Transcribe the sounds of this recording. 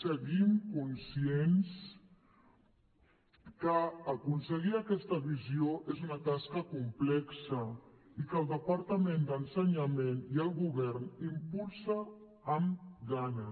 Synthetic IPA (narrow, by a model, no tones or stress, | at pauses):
səɣimkunsjens | kəːkunsəɣ̞iakɛst̪ɐβizioʔezunat̪askɐkumplɛksa | ikəlˠd̪əpaɾt̪amẽnd̪ənsəɲameniəlˠɣuβɛɾnimpulˠsaː | mɡaɲa